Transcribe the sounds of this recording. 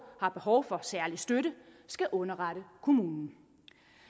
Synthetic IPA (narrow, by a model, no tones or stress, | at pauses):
hɑ̈b̥e̝ɦɒʊfɒ̽sæɐlisd̥øɾəsɡ̥æʔɔ̽nɐʁɑɾəkʰo̝muːnn̩